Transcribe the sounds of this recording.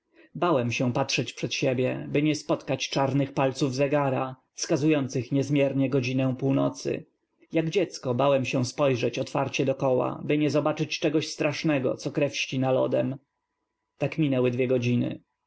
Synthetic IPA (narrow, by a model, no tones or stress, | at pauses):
bawɛmɕɛ̃patʂɛt͡ɕpʂɛt̪ɕɛbʲjɛbɘɲɛspɔt̪kat͡ɕt͡ʂaɾnɘxpalt̪suvzɛɡaɾa | fskazujɔnt̪sɘxɲɛzmʲjɛɾɲɛɡɔd͡ʑinɛw̃puwnɔt̪sɘ̰ | jaɡd͡ʑɛt̪skɔbawɛmɕɛw̃spɔjʐɛt͡ɕɔt̪faɾt͡ɕɛd̪ɔkɔwa̰bɘɲɛzɔbat͡ʂɘt͡ɕt͡ʂɛɡɔɕst̪ɾaʂnɛɡɔ̰t̪sɔkɾɛfɕt͡ɕinalɔ̰d̪ɛm | t̪akmʲinɛwɛd̪vʲjɛɡɔd͡ʑinɘ̰